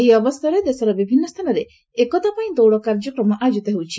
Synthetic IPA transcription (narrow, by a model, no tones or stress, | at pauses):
eɦiɔbɔst̪ʰaɾed̪esɔɾɔbibʱinːɔst̪ʰanɔɾe | ekɔt̪apaĩd̪owɽɔkaɾd͡ʒɔkɾɔmɔʔad͡ʒut̪ɔɦewt͡ʃʰi̥